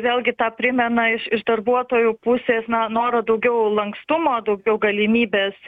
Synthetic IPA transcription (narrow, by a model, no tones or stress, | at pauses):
ʋʲeːlʲˠɡʲɪt̪ɑːpʲɾʲɪmʲɛnɐɪʃɪʃd̪ɐrbuɔt̪oːjʊpʊsʲeːsnɐnoːɾɐd̪ɐʊɡʲɛʊlˠɐŋkst̪ʊmoːd̪ɐʊɡʲɛʊɡɐlʲɪmʲiːbʲeːs